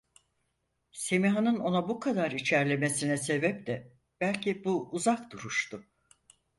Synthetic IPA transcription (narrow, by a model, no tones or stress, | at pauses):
se̞miɦanɯno̞nabukʰad̪aɾit͡ʃʰæɾlʲe̞me̞sinɛse̞bɛp̚d̪ɛ | b̥ælʲcibuːzakd̪uɾuʃt̪ʊ